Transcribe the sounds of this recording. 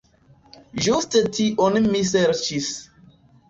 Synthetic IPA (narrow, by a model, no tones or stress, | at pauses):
d͡ʒustətʰiʔɔnimis̬ɛɾt͡ʃis